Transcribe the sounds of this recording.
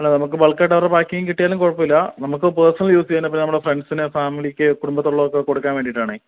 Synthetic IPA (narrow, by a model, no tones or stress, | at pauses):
ɐlːenɐmuk̬ːɨbɐɭkːɐʈːɐʋɐrebaːkːiŋɡiŋkiʈːijaːlumkoɻɐpːɐmilːɐnɐmukːɨpeːrsɐnɐljuːst͡ɕejnːɐpinːenɐmːuɽefreɳɖsinɨfaːmilikʲːɨkuɽumbɐt̪ːoɭːɐʋokːeko̞ɽukːaːnʋeːɖiʈːaːɳɨ